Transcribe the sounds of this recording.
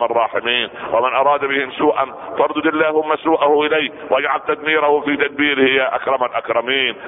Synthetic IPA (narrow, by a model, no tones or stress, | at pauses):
ɑrˤːɑːħɪmiːnwʔɪmɪnʔɑɾˤɑːd̪bɪhɪmsuːʔan | fɑɾˤd̪ʊd̪ɪlːaːhʊmːasuːʔahʊʔɪlaj | wʔad͡ʒʕalt̪ad̪̚miːɾahʊfiːt̪ad̪̚biːɾhɪjːaʔakɾˤɑmalʔakɾˤɑmiːn